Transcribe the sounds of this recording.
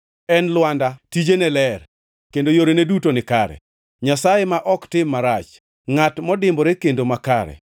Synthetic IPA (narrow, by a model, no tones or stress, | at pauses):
ɛnlwandatid͡ʒenɛlɛr | kendojoɾenedutonɪkaɾɛ̰ | ɲasajemaʔɔktɪmːaɾat͡ʃ | ŋatmɔdɪmboɾekendomakaɾɛ̰